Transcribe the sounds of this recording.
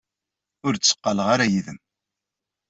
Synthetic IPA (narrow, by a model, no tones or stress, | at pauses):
ʊɾt͡sːə̥qːɑləʁaɾajiðəm